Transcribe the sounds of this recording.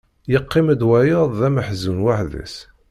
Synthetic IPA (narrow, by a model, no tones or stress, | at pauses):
jəqːiməd̪wæjəðˤðæməħzunwaħðæ̰s